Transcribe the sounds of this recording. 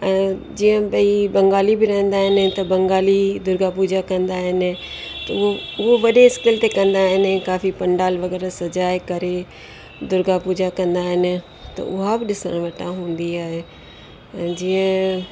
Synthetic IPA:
ɛ̃ːd͡ʑiːə̃bɐibɐ̃ŋɡaːlibɪɾɐɦə̃nd̪aːɦɪnɪ̆t̪ɐbɐ̃ŋɡaːlid̪ʊɾɡapuːd͡ʒakɐ̃nd̪aːɦɪnɪ̆ | t̪ɐʊɦoʊɦoʋɐɗeɪskɪlt̪ekɐ̃nd̪aːɦɪnɪkaːfipɐ̃ɳɖaːlʋɐɡɛːɾasɐd͡ʒaːekɐɾe | d̪ʊɾɡapuːd͡ʒakɐ̃nd̪aːɦɪnɪ̆ | t̪ɐ̰ʔʊɦabɪɗɪsəɽ̃ʋɐʈʰãɦũːn̆d̪iaːɦe | ɛ̃ːd͡ʑiːə̃

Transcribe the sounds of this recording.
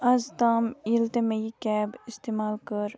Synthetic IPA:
ɐzt̪aːmilt̪emeikɛːbɪst̪eːmaːlkəɾ

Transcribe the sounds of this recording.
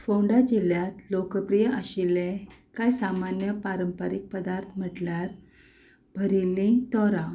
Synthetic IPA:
fowɳɖad͡ʑiljat̪lokəpɾijəʔəɕilekajsamanjəpaɾəmpəɾik̚pəd̪aɾt̪ʰm̤əʈljaɾ | b̥ʱəɾilĩt̪ɔɾa

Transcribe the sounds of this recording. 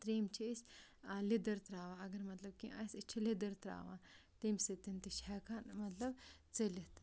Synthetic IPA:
t̪ɾiːmt͡ʃʰisʲlid̪ɐɾt̪ɾaːʋaɐɡɐɾmɐt̪lɐb̚kḭɐ̰sit͡ʃʰilid̪ɐɾt̪ɾa̰ːʋaːt̪imsit̪int̪iʃɛkʰanmɐt̪lɐbt͡sɐlit̪

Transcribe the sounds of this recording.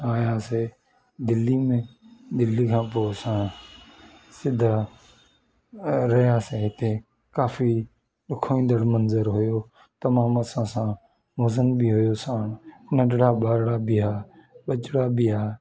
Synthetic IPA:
aːjaːseː | d̪ɪlːiːmẽːd̪ɪlːiːkʰãːpoːsãː | sɪd̪ʱaː | ɾəjaːseːɦɪt̪eː | kaːfʰiː | ɗʊkʰoːĩːnd̪əɽmənzəɾɦʊjoː | t̪əmãːməsãːsãː | ʋozənbiːɦʊjoːsãːnnəɖɽaːɓaːɾɽaːbɪːɦaːɓət͡ʃɽaːbɪːɦaː

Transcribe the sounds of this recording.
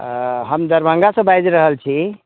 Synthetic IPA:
ɦəmd̪əɾbʱə̃ŋɡasə̃bajd͡ʒɾəɦəlt͡ʃʰi

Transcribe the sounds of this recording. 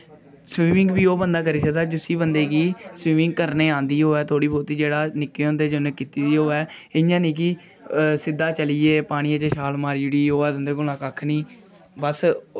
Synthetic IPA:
sʋĩːmɪ̃ŋɡbiːoːbənd̪aːk̬əɾiːsəkd̪aːd͡ʒʊsiːbənd̪eːkiːsʋiːmɪ̃ŋɡ̚kəɾneːãːnd̪iːɦoːɛːt̪ʰoːɽiːboːt̪iːd͡ʒeːɽaːnɪkːeːõːnd̪eːd͡ʒənːkiːt̪iːd̪iːɦoːɛːɪjãːnĩːk̬i | sɪd̪ːaːt͡ʃəliːeːpaːɽ̃iːãːt͡ʃeʃaːlmaːɾid͡ʒɪɽiːoːɛːd̪ʊ̃nd̪eːkʊaːkakʰniː | bəs

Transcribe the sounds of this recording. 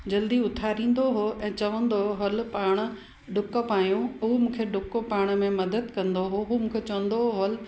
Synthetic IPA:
d͡ʑɐld̪iʊt̪ʰaːɾĩːn̆d̪oɦoʔɛ̃ːt͡ɕɐʋə̃nd̪oɦɐlpaːɽ̃̆ | ɖʊkəpaːjõumũːkʰeɖʊkopaːɽ̃ə̆mẽmɐd̪əd̪kɐ̃nd̪oɦoɦumũːkʰet͡ɕɐʋə̃nd̪oɦol

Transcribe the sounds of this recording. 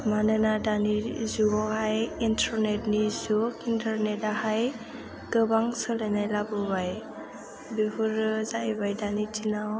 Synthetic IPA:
manɯnadanizuɡɔhajintʰɔɾnetnizukintʰaɾnɛtahaj | ɡɯbaŋsɯlenajlabɯbaj | bibuɾzaibajdanitʰinaw

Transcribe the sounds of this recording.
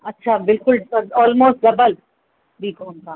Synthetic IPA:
ɐtːʃʰaːbɪlkʊlsɐɔːlmoːsʈdɐbəl | biːkõːnkãː

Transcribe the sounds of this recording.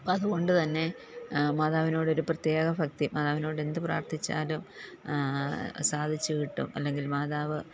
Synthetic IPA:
ɐðuko̞ɳɖɨt̪ɐnːe̞ | maːðaːʋino̞ːɽo̞ɾuprɐt̪je̞ːɡɐfɐk̚t̪imaːðaːʋino̞ːɽe̞nd̪ɨpra̰ːrt̪ʰit͡ɕːa̰ːlum | saːd̪ʱit͡ɕːuʋiʈːṵmɐ̰lːe̞ŋɡilmaːðaːʋɨ

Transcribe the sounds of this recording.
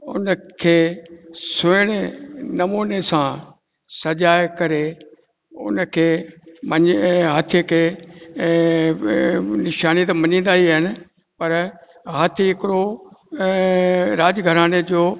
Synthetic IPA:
ʊ̰nəkʰeːsʊɪɽ̃enɐmuːnesã | sɐʄaːekɐɾe | ʊ̰nkʰeːmɐɲɦaːt̪ʰijkʰeː | nɪʃaːnit̪̬ɐmɐɲĩːnd̪aːɦiɦɪnɪ̆ | pɐɾ | ɦaːt̪ʰiɦɪkɪɾo | ɾaːd͡ʑɡʱɐɾaːɽ̃ed͡ʑoː

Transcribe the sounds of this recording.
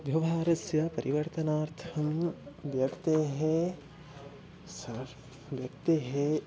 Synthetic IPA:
ʋjɐʋaːɾɐsjɐpɐɾʔiʋɐɾt̪ɐnaːɾt̪ʰɐmʋjɐkt̪eɦe | sɐ | ʋjɐk̚t̪eɦe

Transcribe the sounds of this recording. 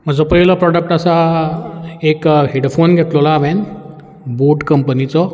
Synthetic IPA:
m̤əd͡zɔpəɦiləpɾɔɽək̚ʈasa | ekɦeɽfonɡʱet̪lolaʋɛ̃n | boɖkəmpənit͡sɔ

